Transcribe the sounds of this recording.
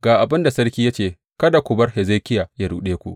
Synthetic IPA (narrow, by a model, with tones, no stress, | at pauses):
ɡ̥aː˨ʔa˨bɪ˦nda˨sɐ˦rkʲiː˦ja˦t͡ʃeː˨ | kɐ˦da˨kʷʊ˨bɐ˦rhe˨ze˦kʲɪ˦jaː˨ja˦ɽuː˦ɗeː˦kʷṵ˦ʔ